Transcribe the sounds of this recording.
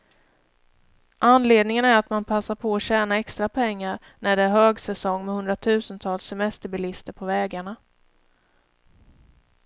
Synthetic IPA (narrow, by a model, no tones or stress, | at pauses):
ʔanːleːd̪nɪŋənæɾat̪manpʰasːaɾpʰɔːɕɛːnaɛkst̪ɾapʰɛŋːaɾ | næɖɛæɾɦøːɡsɛsɔŋːmɛhɵnd̪ɾat̪ʰʉ̟ːsənt̪ʰɑːlsɛmɛst̪əbɪlɪst̪əɾpʰɔvɛːɡaɳa